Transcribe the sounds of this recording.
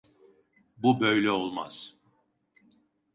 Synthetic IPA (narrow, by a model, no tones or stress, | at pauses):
bubø̞jlʲɛo̞lˠma̰z̥